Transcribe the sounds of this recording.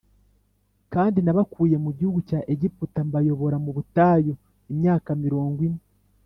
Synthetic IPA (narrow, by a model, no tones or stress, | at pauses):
kaːndinaβakuːje̞muɟihuɡucaʔeɟiputambajo̞βo̞ɾamuβutaːjo̞ | emjaːkamiɾoːŋɡwine